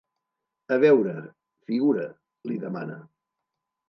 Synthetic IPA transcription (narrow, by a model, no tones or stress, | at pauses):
əβɛwɾə | fiɣuɾə | liðəma̰nə̰